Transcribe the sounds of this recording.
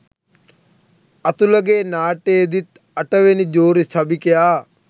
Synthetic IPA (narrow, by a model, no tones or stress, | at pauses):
ɐt̪ulɐɡeːnaːʈeːd̪it̪̚ | ɐʈəʋenid͡ʒoːɾisʰɐbikejaː